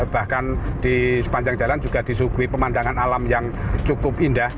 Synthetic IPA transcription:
b̥ahkand̪̥isə̥paɲd͡ʒaŋd͡ʒaland͡ʒuɡ̥ahd̪̥isuɡ̥uipəmand̪aŋanalamjaŋt͡ʃukʊpindah

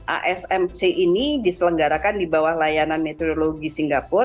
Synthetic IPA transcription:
ʔa̰ʔɛsɛmt͡ʃeʔinidisələŋɡaɾakandibawahlajananmet̪odoloɡisiŋɡapʊr

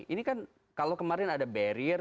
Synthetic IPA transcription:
ʔinikan | kalokəmaɾɪnadabɛɾir

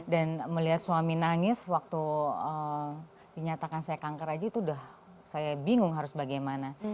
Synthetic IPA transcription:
danməliɦat̪̚suaminaŋɪswak̚t̪uə | diɲat̪akansajakaŋkaɾad͡ʒait̪uːdah | sajabiŋʊŋɦaɾʊsbaɡajmana

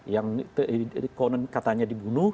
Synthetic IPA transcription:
jaŋt̪kɔnənkat̪aɲadibunu

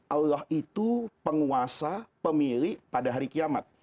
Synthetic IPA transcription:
ʔalːahit̪upəŋuasapəmiɾɪʔpadaɦaɾikiamat̪̚

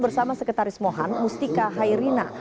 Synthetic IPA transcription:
bərsamasəkət̪aɾɪsmoɦanmust̪ikaɦaiɾina̰

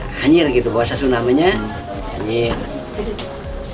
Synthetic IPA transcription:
haɲɪrɡit̪ubaasasunamaɲa | haɲɪr

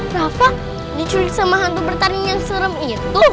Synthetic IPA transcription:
rafaʔ | dit͡ʃuɾisəmaɦand̪ubərt̪anijaŋsəɾəmit̪u

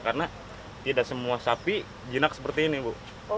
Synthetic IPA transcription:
karəna | t̪idaʔsəmuasapi | d͡ʒinak̚səpərt̪iːnibu

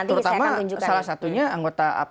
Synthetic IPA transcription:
əɾut̪amatuɲd͡ʒusalahsat̪uɲaaŋɡot̪aa̰

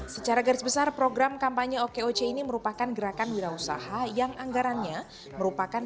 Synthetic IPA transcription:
sət͡ʃaɾaɡaɾɪsbəsarpɾoɡɾamkampaɲəokeot͡ʃeiniməɾupakanɡəɾakanwiɾausa̰hajaŋaŋɡaɾanɲa | məɾupakan

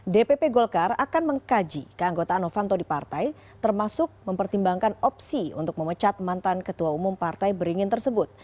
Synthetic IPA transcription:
depepeɡolkarakanməŋkad͡ʒikəaŋɡot̪aːnofant̪odipart̪aj | t̪ərmasʊk̚məmpərt̪imbaŋkanɔp̚siṵnt̪ʊk̚məmət͡ʃat̪̚mant̪ankət̪uaumʊmpart̪ajbəɾiŋɪnt̪ərsəbʊt̪̚

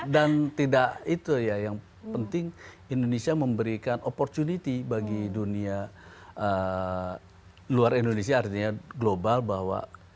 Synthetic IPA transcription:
dant̪idaʔit̪ujajaŋ | pənt̪ɪŋ | indonesiaməmbəɾikanopɔrt͡ʃ̪unit̪ibaɡiduniaə | luaɾindonesiaːrt̪iɲaɡlobalbahwa̰

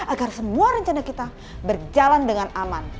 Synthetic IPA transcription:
aɡarsəmuaɾəɲt͡ʃanakit̪a | bərd͡ʒalandəŋanaman

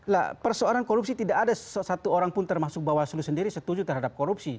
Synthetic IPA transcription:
la̰pərsoaɾankoɾup̚sit̪idakadassat̪uoɾaŋpʊnt̪ərmasʊk̚bawasulusəndiɾisət̪ud͡ʒut̪ərɦadap̚koɾup̚si

